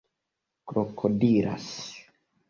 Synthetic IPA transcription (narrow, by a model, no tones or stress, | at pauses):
kɾokʰodiɾa̰s